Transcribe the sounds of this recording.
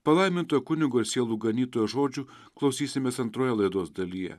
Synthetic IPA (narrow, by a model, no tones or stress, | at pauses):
pɐlˠɐɪmʲɪnt̪oːjokʊnʲɪɡoːɪɾsʲeːlˠuːɡɐnʲiːt̪oːjoːʒoːd͡ʒʲuː | klˠɐʊsʲiːsʲɪmʲeːsɐnt̪ɾoːjɛlˠɐɪd̪oːsd̪ɐlʲijɛ̰